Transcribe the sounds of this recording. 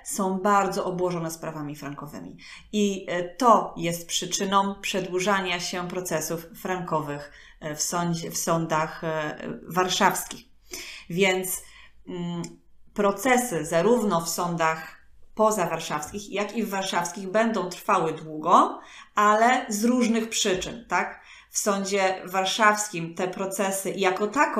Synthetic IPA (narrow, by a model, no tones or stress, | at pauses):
sɔ̃w̃baɾd̪zɔʔɔbwɔʐɔnɛspɾavamʲifɾaŋkɔvɘ̰mʲḭit̪ɔjɛst̪̚pʂɘt͡ʂɘnɔ̃w̃pʂɛd̪wuʐaɲaɕɛpɾɔt̪sɛsufːɾaŋkɔvɘx | fsɔɲd͡ʑfsɔnd̪ax | vaɾʂafskʲix | vʲjɛnt̪s | pɾɔt̪sɛsɘzaɾuvnɔfsɔnd̪axpɔzavaɾʂafskʲixjakʲivːaɾʂafskʲiɣbɛnd̪ɔ̃w̃t̪ɾfawɘd̪wuɡɔalɛzɾuʐnɘxpʂɘt͡ʂɘ̰nt̪ak | fsɔɲd͡ʑɛvaɾʂafskʲimt̪ɛpɾɔt̪sɛsɘʔjakɔt̪ak